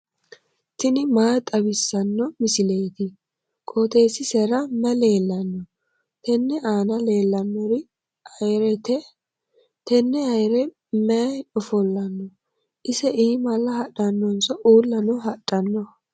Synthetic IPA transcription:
t̪ɪnɪmaːt̪ʼɐbɪsːɐnːɔmɪsɪlɛjt̪ɪ | kʼoːt̪eːsɪsɛɾɐmɛle̞ːlːɐnːɔ | t̪ɛnːɛʔaːnɐle̞ːlːɐnːɔɾɪ | ɾɛt̪ɛ | t̪ɛnːɛɐjɾɛ | mɛᶑɔfɔlːɐnːɔ | ʔɪsɛʔiːmɐlːɐhɐɗɐnːɔnsɔʔuːlːɐnɔɦɐɗʼːɐnːɔ

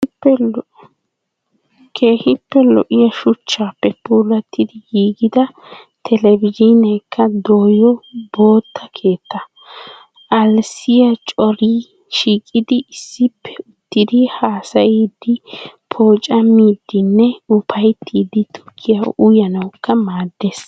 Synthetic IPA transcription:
kʰeːhɪpːɛlɔ̰ʔɪjɐʃʊt͡ʃːaːpːɛpuːlɐt̪ːɪd̪ɪɡiːɡɪd̪ɐ | t̪ʰɛlɛvɪd͡ʒinɐjkʰːɐd̪oːjɔbo̞ːt̪ʰːɐkʰe̞ːt̪ːɐ | ʔɐlsɪjɐt͡ʃʼɔɾiː | ʃiːkʼɪd̪ɪɪsːɪpʰːɛ̥ʊt̪ːɪd̪ɪhaːsɐjiːd̪ːɪpʰo̞ːt͡ʃʼɐmiːd̪ːɪnːɛʊpʰɐjt̪ʰːiːd̪ɪt̪ʰʊ̥kʰːɪjɐʔʊjɐnɐwkːɐmaːd̪ːeːs

